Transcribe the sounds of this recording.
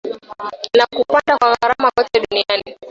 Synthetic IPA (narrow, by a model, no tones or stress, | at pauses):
nakupandakwaɣaaɾamakɔtɛɗuniani